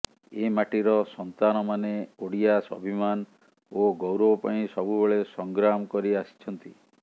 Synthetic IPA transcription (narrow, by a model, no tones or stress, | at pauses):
emaʈiɾɔsɔnt̪anɔmaneoɽijasɔ̰bʱiman | oɡɔwɾɔwɔpaĩsɔbʱubeɭesɔŋɡɾamɔkɔɾiasi̥t͡ʃʰɔnt̪i